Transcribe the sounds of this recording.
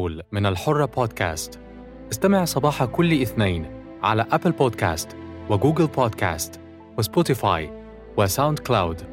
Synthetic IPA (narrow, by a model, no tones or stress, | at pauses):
lmɪnalħorˤːɑpoːd̪kæ̰ːst̪ | ʔɪst̪amɪʕsˤɑbɑːħɑkʊlːʔɪθnaːn | ʕa̰læʔæplboːd̪kæ̰ːst̪wɪɡuːɡɪlpʰɑːd̪kæ̰ːst̪ | wɪspot̪ɪfɑ̰j | wɪsawnd̪klawd̪